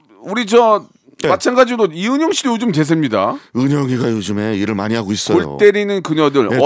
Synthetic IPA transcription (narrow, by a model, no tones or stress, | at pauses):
uɾid͡ʑʌ | mat͡ɕʰanɡad͡ʑidoiɯɲʌŋɕʰidojod͡ʑumke̞s̬ʰemɲida̰ɯɲʌŋiɡajod͡ʑume̞iɾɯɭma̰ɲiɦaɡois͈ʌojɭo̰tt͈e̞ɾinɯnkɯɲʌdɯɭʌ